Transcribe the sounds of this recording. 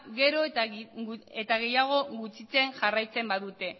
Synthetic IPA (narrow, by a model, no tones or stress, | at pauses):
ɡe̞ɾo̞ | et̪aɣ̞e̞jaɣ̞o̞ɣut͡sit͡se̞nʝarajt͡se̞mbaðut̪e̞